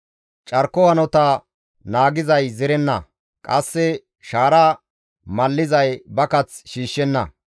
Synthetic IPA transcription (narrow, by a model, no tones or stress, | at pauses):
t͡ʃʼɐɾkɔhɐnɔt̪ɐ | naːɡɪzɐjzɪɾɛnːɐ̰ | kʼɐsːɛ | ʃaːɾaː | mɐlːɪzɐjbɐkɐt͡sʃiːʃːɛnːɐ̰